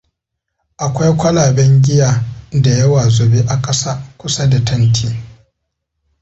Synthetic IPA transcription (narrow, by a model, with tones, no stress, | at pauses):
ʔa˨kʷa˦jkʷɐ˦laː˨bɛ˦ŋɡʲɪ˦jaː˨da˨jɐ˦waː˨zʊ˨be˦ʔa˨kʼɐ˦saː˦kʷʊ˦sa˦da˨tʰɐ˦ntʰiː˦